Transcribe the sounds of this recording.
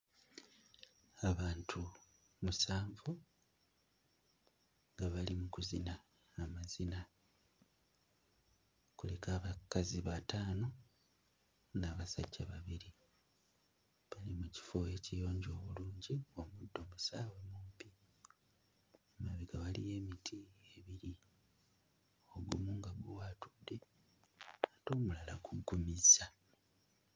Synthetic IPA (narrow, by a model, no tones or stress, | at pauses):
aβaːntʰu | musaːɱvu | ŋɡaβalimukuzinaː | mazina | kule̞kaːβakaziβataːno̞ | naβasaɟːaβaβiɾi | βalimuci̥foe̞cijo̞ːɲɟo̞ːβuluːɲɟiomudːo̞musaːwe̞mumpi | mumaβiɡaβalḭje̞ːmitʰieβiɾi | o̞ɡumuːŋɡaɡuwatu̥dːe̞ | ato̞ːmulala̰kuɡːumiza